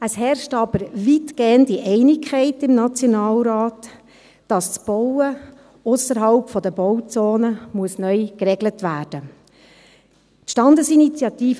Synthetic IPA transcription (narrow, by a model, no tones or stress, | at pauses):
əshɛrʃtɑbəɾʋitɡ̥eːəndiʔɛɪnɪkʰχɛɪtɪmnɑt͡sjonɑːlɾɑːt | d̥ɑst͡sb̥ɔwə | ʊsəɾɦɑlpfɔdəb̥ɔwt͡soːnəmuəsnœʏkɾɛɡlətʋæːrd̥ə | tʃtɑndəsinit͡sjɑtiːf